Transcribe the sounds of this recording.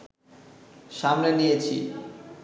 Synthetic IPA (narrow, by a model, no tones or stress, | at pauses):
ʃamnlenijet͡ɕʰḭ